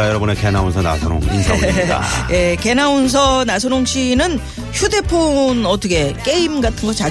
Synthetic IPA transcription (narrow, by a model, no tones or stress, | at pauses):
ajʌɾʌbɯnekenaunsʰʌna̰sʰʌɾo̰ŋḭnsʰʌia̰je̞ke̞nauns̬ʰʌnasʰoɾoŋɕʰinɯn | çude̞pʰonʌt͈ʌɡʰe̞k͈e̞imɡatʰɯnɡʌt͡ɕa